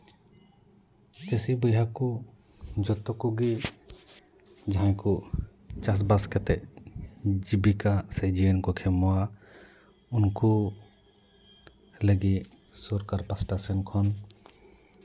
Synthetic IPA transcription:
t͡ʃɛsibəjɦakɔ | d͡ʒɔt̪ɔkɔɡi | d͡ʒaɦãjkɔ | t͡ʃas̬baskɛt̪ɛʔ̚ | d͡ʒibikasɛd͡ʒiənkɔkʰɛmɔwa | unku | ləɡi | sɔɾkaɾpasʈasɛnkʰɔn

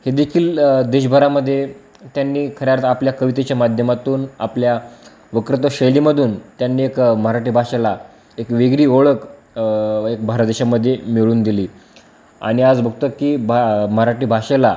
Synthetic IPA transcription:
hed̪ekʰiːld̪eɕbʱəɾaməd̪ʱːje | t̪janːiːkʰəɾjaɾt̪apljakəʋit̪et͡ɕjamad̪ʱjəmat̪uːna̰plja | ʋəkɾət̪oɕəjliːməd̪ʱuːnt̪janːiːekməɦɾaʈiːbʱaɕela | ekʋeɡɾiːoɭək | ekbʱaɾət̪d̪eɕaməd̪ʱːjemiɭuːnd̪iliː | a̰ɽ̃iad͡zbʱəɡ̚t̪əkiːbməɦɾaʈiːbʱaɕela

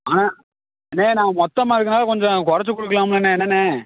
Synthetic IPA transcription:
aːnaː | ɛnːeːnãːmɔt̪ːɐmaːɪɾɯkːɐnaːlkɔɲd͡ʒɔ̃kʊɾɐt͡ʃːɯkɔɽɯk̬ːɐlaːmɐlɐnːeːɛnːɐne

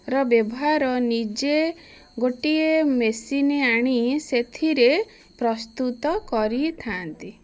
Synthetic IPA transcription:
ɾɔbjɔbɔɦaɾɔnid͡ʒe | ɡoʈiemesineaɽ̃iset̪ʰiɾe | pɾɔst̪ut̪ɔkɔɾit̪ʰant̪i

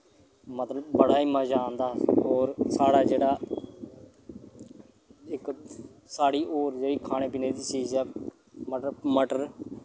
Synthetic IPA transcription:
mət̪ləbːəɽaːiːməd͡ʒaːnd̪aːɔːɾsaːɽaːd͡ʒeːɽaː | ɪksaːɽiːʔoːɾd͡ʒeːɽiːkʰaːɽ̃eːpɪːneːd̪iːsiːd͡ʒɛː | məʈməʈəɾ

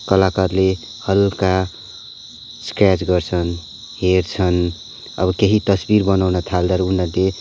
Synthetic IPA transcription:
kʌlakarle | hʌlka | skɾjat͡sɡʌrt͡sʰʌn | heɾt͡sʰʌn | ʌ̰bʌkeɦit̪ʌsbiɾbʌnawnʌt̪ʰald̪ʌɾunʌle

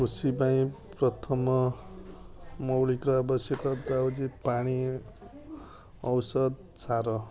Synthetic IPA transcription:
usibaĩprʌt̪ʰʌmʌ | mʌwlikaːbʌsjʌkʌd̪awd͡zipaɽ̃i | ʌwsʌd̪̚ | t͡sʰaɾʌ

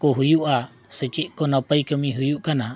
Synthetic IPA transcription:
kɔɦujuʔa | sət͡ʃiʔ̚kɔnapəjkəmiɦujuʔkana

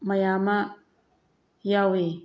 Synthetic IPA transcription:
majama | jawe

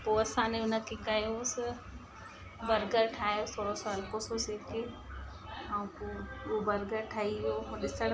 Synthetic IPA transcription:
poːɐsãnẽʊnə̆kʰekajosɪ | bɐɾɡəɾʈʰaːjot̪ʰoːɽosaɐlkososeːke | aũpoobɐɾɡəɾʈʰaːiʋijoːmɗɪsəɽ

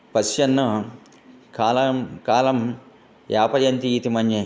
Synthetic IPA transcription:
pɐsjɐnːɐ | kaːlɐmkaːlɐm | jaːpɐjɐnt̪iːt̪imɐnje

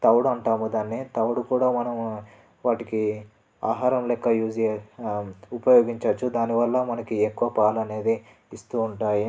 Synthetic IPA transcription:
t̪ɐwuɽuɐɳʈaːmud̪aːnːit̪ɐwuɽukuːɽaːmɐnɐm | ʋaːʈiki | aːɦaːɾɐmlɛkːɐjuːd͡ʒi | upɐjoːɡiɲt͡ʃɐt͡ʃːud̪aːniʋɐlːɐmɐnɐkiekːuʋɐpaːlɐne̞ːd̪i | ist̪uːɳʈaːji

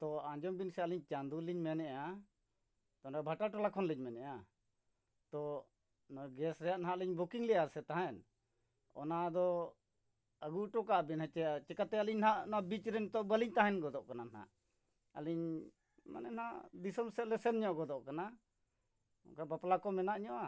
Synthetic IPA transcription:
t̪ɔãɲd͡ʒɔmbinsɛəliɲt͡ʃand̪uliɲmɛnɛʔa | t̪ɔnbʱaʈaʈɔlakʰɔnliɲmɛnɛʔa | t̪ɔ | ɡɛsɾɛjaʔnaɦaʔliɲbukiŋlɛjaɾsɛt̪aɦãɛn | ɔ̰nad̪ɔ | əɡuʈɔkaʔbinhat͡ʃɛt͡ʃɛkat̪ɛaliɲnɦaʔnabit͡ʃɾɛnt̪ɔbəliɲt̪aɦɛnɡɔd̪ɔʔkananaha̰ʔ | əliɲ | ma̰nɛnaʔd̪isɔmsɛt̪lɛsɛnɲɔʔɡɔd̪ɔʔkana | ɔ̰kabaplakɔmɛnaʔɲɔʔa

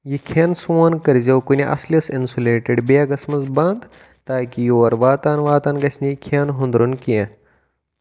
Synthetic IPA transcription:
jikʰensuɐnkɐɾzewkunʲiʔɐ̰slʲɐsinsuleːʈeɖbjaɡɐsmɐt͡sband̪ | t̪aːkijoʋɐɾʋaːt̪aːnʋaːt̪aːnɡɐsʲnʲikʰenɦũnd̪ɾunkijẽ

